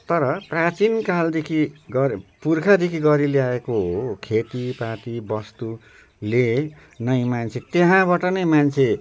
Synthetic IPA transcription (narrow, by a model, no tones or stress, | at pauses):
t̪ʌɾʌprat͡sinkald̪ekʰiɡʌɾpurkʰad̪ekʰiɡʌɾileaekoɦokʰet̪ipaʈ̪ibʌst̪u | le | nʌjmant͡sʰet̪eɦãbaʈʌnʌjmant͡sʰe